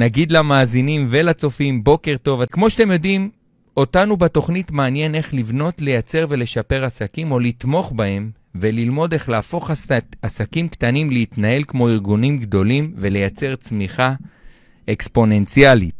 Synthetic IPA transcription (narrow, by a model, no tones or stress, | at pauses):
naɡid̪lamaːzinimvelat͡so̞fimbo̞ke̞ʁto̞vakmo̞ʃḁtemjo̞dim | o̞tanubato̞χnitmaːnje̞ne̞χlivno̞tle̞jat͡se̞ʁve̞le̞ʃape̞ʁasakimo̞litmo̞χbae̞m | ve̞lilmo̞de̞χlaːfo̞χasakimkt̪animleit̪nae̞lkmo̞iʁɡunimɡdo̞limve̞le̞jat͡se̞ʁt͡smiχa | ekspo̞ne̞nt͡sjalḭt